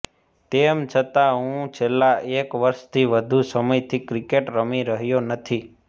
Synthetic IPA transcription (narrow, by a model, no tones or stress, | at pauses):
t̪emt͡ʃʰət̪aɦũt͡ʃʰelːaekʋəɾʃt̪ʰiʋəd̪ʱusəməjt̪ʰikɾikeʈɾəmiɾəɦjonət̪ʰi